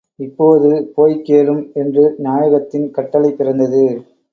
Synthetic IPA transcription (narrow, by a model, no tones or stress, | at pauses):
ɪpːoːðɯpoːjkeːlɯmɛndrɯnjaːjɐɣɐt̪ːɪnkɐʈːɐlɐɪpːɪrɐnd̪ɐðɯ